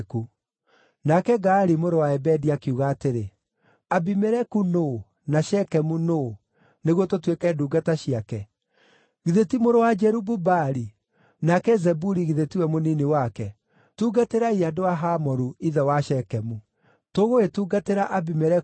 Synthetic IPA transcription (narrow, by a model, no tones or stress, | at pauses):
ku | nakɛɡaɾimoɾowaɛbɛdiakiuɣaːteɾe | abimɛɾɛkuno | naʃɛkɛmuno | neɣwɔtotwekɛduːɡataɕiakɛ | ɣiðetimoɾowad͡ʒɛɾububaɾi | nakɛzɛbuɾiɣiðetiwɛmoninewakɛ | tuːɡateɾaiadowaɦamɔɾuiðɛwaʃɛkɛmu | toɣoetuːɡateɾaʔabimɛɾɛ